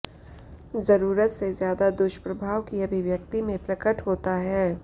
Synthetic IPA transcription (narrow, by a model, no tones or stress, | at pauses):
zɐɾuːɾət̪sezjaːd̪ad̪ʊʃəpɾɐbʱaːʋkiɐbʱiʋjɐk̚t̪imẽpɾɐkəʈɦoːt̪aɦɛː